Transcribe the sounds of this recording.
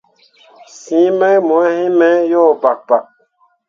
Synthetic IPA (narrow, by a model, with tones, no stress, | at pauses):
sĩ˨˦mɛ˦mɔ̃˨˦hĩ˦mɛ˦jɔ˦˨ba˨k̚ba˨k̚